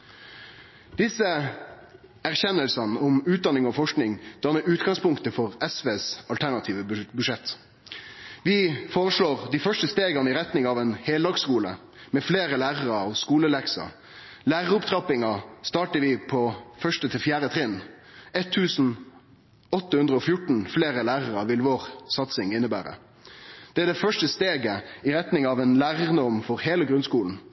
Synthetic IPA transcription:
d̪̥ɪsə | æʁçɛnːəlsɑnəʊmʉːt̪̚d̪ɑnɪŋɔfɔʂknɪŋd̪̥ɑːmɛʔʉːt̪ɡɑŋspʊŋkt̪əfɔʁɛsʋeːsɑlt̪ʰæʁɳɑt̪ʰiːʋəbʉʂɛt̪ː | ʋɪfoːʁəʂɭoːʁd̪iːfœʂʈəst̪eːɡɑnəɪʁɛt̪nɪŋɑʋɛːnheːld̪ɑːɡskuːlə̰ | mɛfleːʁəlæːʁəʁɑːʋskuːləlɛksɑ̰ | læːʁəʁʊpt̪ʰɾɑpɪŋɑst̪ɑːʈəʋɪpʰɔfœʂʈət̪ʰɪlfjæːɾət̪ʰʁɪnː | ɛt̪ʰːʉːsn̩ | ɔt̪ːəhʉnd̪ʁəɔfjʊʈɳ̩fleːʁəlæːʁəɾɑʋɪlʋoːʁsɑt̪sɪŋɪnːəbæ̰ːɾə̰ | d̪̥ɛæd̪ɛfœʂʈəst̪eːɡəɪɾɛt̪nɪŋɑʋɛnlæːʁəʁənəɔmfɔɾheːləɡʁʉnskuːln̩

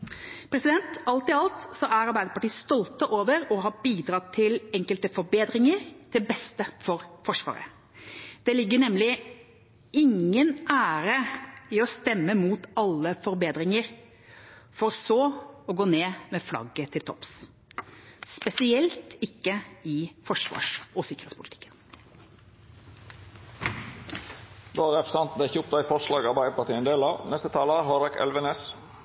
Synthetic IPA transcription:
pʰɾɛsɪd̪ɛnt̪ɑlt̪ɪɑlt̪sɔʔæɾɑɾbæɪd̪əɾpɑʈiːst̪ɔlt̪əʔoːʋəɾɔɦɑːbiːd̪ɾɑt̪ʰɪlɛŋkəlt̪əfɔɾbeːd̪ɾɪŋəɾd̪̥ɪlbɛst̪əfɔɾfɔʂʋɑ̰ːɾə̰ | d̪̥ɛlɪɡːəɳɛmlɪ | ɪŋːənʔæːɾəɪɔst̪ɛmːəmuːt̪ɑlːəfɔɾbeːd̪ɾɪŋəɾ | fɔɾsoːɔɡoːneːmɛflɑ̰ɡət̪ʰɪlt̪ʰɔ̰ps | spɛsɪɛlt̪ɪkːəɪfɔʂʋɑ̰ːʂɔsɪkəɾeːt̪spʰʊlɪt̪ɪ̥kːən | d̪oːæɾɛfsɑnt̪n̩d̪ɛɪçəʊp̚t̪æɪfɔʂlɑːɡɑːʋbæɪəpʰɑɾt̪iːənd̪eːlɑːʋnɛst̪ət̪ʰɑːləæɾhɑɾɛkɛ̰lʋəneːs

